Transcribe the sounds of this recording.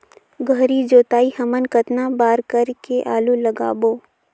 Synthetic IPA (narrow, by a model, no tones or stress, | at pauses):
ɡʱəɾid͡ʒoːt̪aːihɐmənkət̪nabaːɾkəɾkeʔaːluləɡa̰ːboː